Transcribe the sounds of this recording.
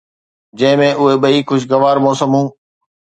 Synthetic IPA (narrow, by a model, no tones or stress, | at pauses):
d͡ʑɐ̃ɦɪ̃mẽʔʊɦeɓɐiːkʊd͡ʑʱɡɐʋaːɾmɔːsəmɦũː